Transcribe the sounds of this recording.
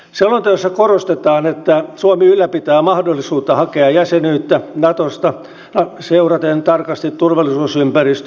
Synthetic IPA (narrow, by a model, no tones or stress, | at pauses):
selːont̪ɑjosːækorost̪et̪ɑːnet̪ːæsuɑmiylːæpit̪æːmɑhdolːisuːt̪ːɑhɑkeɑjæsenyːt̪ːænɑt̪ost̪ɑ | nɑseurɑt̪ent̪ɑrkɑst̪it̪turʋɑlːˑisuːsympærist̪